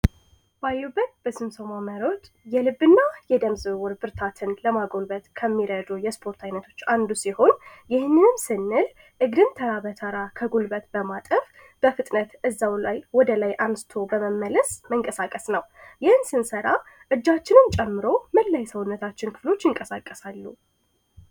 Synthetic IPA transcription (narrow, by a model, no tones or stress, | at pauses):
b̥ajːubːət̪̚b̥əsɨmsəmaməɾo̞t̪ | jɛlɨbːɨnːajɛd̪əmzɨwʊɾbɨɾt̪ʰat̪ʰɨnləmaɡo̞lbət̪kʰəmːiɾəd̪ujɛspʰo̞ɾt̪ʰajnət̪ʰo̞̥t͡ʃːand̪usiho̞njɪhnːɨnɨmsɨnːɨl | ʔɨɡd̪ɨnt̪ʰəɾabət̪ʰəɾakʰəɡulbət̪bəmat̪ʼəf | b̥əfɨt̪ʼnət̪ʔɨzːawlajwɔd̪əlajʔansɨ̥t̪ʰo̞bəməmːələsməŋkʼəsakʼəsnəwjɪhnsɨnsəɾa | ʔɨd͡ʒːat͡ʃːɪnɨnt͡ʃʼɛmːɨɾo̞məlːajsəwʊnːət̪ʰat͡ʃːɪnkʰɨ̥flo̞t͡ʃːjɪŋkʼəsakʼːəsalːu